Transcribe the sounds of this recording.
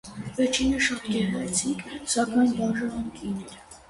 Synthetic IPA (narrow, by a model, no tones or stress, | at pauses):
vɛɾt͡ʃʰinəʃɑt̪ɡɛɾɾɛt͡sʰiŋkʰsɑkɑjnbɑʒəɦəmkʰinɛɾ